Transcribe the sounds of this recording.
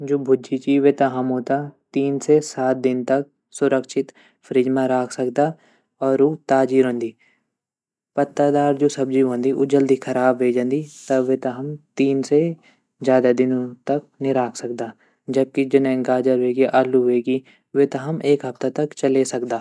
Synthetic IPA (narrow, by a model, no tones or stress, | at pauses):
d͡ʒoːbʱʊd͡ʒit͡ʃiʋet̪ɐɦɐmɦoːt̪at̪iːnsesaːt̪̚d̪ɪnt̪ɐk̚ | sʊɾəkʃɪt̪ | fʰəɾid͡ʒmãɾaːkʰsɐkd̪aː | ɔːɾot̪aːd͡ʒiɾɦõːnd̪iː | pɐt̪ːəd̪aːɾd͡ʒoːsɐb̚d͡ʒiɦõːnd̪iʔod͡ʒəld̪ikʰɐɾaːbʋeːd͡ʒə̃nd̪it̪ɐʋet̪ɐɦɐmt̪iːnse | zjaːd̪ad̪ɪnõt̪ɐk̚nɪɾaːksɐk̚d̪aː | d͡ʒɐb̚kid͡ʒɪñŋɡaːd͡ʒəɾeːɡiʔaːluɦeːɡi | ʋet̪ɐɦɐmeːkɦɐft̪at̪ɐkt͡ʃɐlesɐkd̪aː